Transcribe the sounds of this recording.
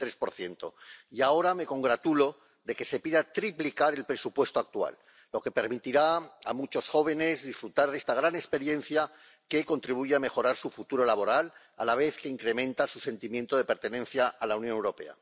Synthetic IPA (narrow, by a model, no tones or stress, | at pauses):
t̪ɾe̞spo̞ɾθje̞nt̪o̞̰iao̞ɾame̞ko̞ŋɡɾat̪ulo̞ | ðe̞ke̞se̞piðat̪ɾiplikaɾe̞lpɾe̞supwe̞st̪oak̚t̪ua̰lː | o̞ke̞pe̞ɾmit̪iɾaa̰mut͡ʃo̞sxo̞β̞e̞ne̞zðisfɾut̪aɾð̞e̞st̪aɣɾane̞kspe̞ɾje̞n̟θja | ke̞ko̞nt̪ɾiβuʝeame̞xo̞ɾaɾsufut̪uɾo̞laβo̞ɾal | a̰laβ̞e̞θkeiŋkɾe̞mẽnt̪asuse̞nt̪imje̞nt̪oðe̞pe̞ɾt̪e̞nẽ̞nθjaːlaunjonewɾo̞pe̞̰a̰